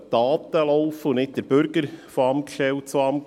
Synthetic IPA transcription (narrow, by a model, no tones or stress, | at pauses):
d̥ɑːt̪əlɔʊfəunɪt̚d̥əɾb̥ʏɾɡəɾfoɑmkʃtɛwtt͡soɑm